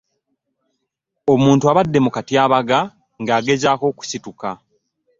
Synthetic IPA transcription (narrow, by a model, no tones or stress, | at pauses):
o̞muːntuaβadːe̞mukatjaːβaɡa | ŋɡaːɡe̞zaːko̞ːku̥situka